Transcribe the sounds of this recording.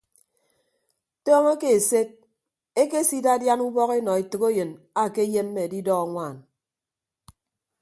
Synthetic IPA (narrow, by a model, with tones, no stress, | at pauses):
tɔː˦ŋa˦ke˨e˨se˦k̚ | e˦ke˦si˦da˦dja˦nu˦bɔ˦ɣe˦nɔ˨e˨tɨ˨ko˦jɨ˨n | a˨ke˦je˦mː˦e˨di˦dɔ˦a˨ŋʷaː˦˨n